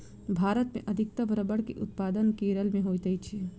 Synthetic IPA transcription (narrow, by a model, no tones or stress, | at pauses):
bʱaːɾət̪mḛ̃ʔəd̪ʱɪk̚t̪əʋɾəbəɽkeʔʊt̪paːd̪ənkeːɾəlmẽɦojt̪əit͡ʃʰi